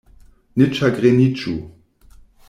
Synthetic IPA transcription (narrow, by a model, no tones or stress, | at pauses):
nɪt͡ʃaɡʁenit͡ʃu